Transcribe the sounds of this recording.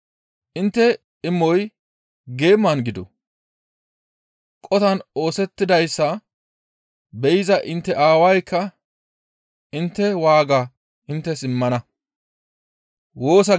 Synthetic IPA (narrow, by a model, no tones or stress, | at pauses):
ʔɪnt̪ːɛ | ɪmːɔj | ɡe̞ːmːɐnɡɪd̪ɔ̰ | kʼɔt̪ɐno̞ːsɛt̪ːɪd̪ɐjsːɐ | bɛjɪzɐʔɪnt̪ːɛʔaːwɐjkʰːɐ | ɪnt̪ːɛwaːɡa | ʔɪnt̪ːɛsɪmːɐnɐ | wo̞ːs̬ɐ